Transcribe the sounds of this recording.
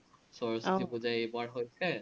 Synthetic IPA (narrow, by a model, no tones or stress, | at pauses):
sɔɹɔsʰibuzajebaɹɦojtʰɛ